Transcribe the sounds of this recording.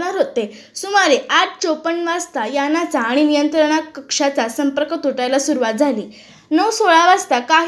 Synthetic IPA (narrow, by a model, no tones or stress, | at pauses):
aɾɦot̪e | sumaɾeʔaʈ̚t͡ɕopəɳʋast̪ajanat͡saːɽ̃inijənt̪ɾəɽ̃akːəkʂat͡sasəmpəɾkət̪uʈajlasuɾʋat̪̚d͡zʱaliː | nəwsoɭaʋast̪akaɦ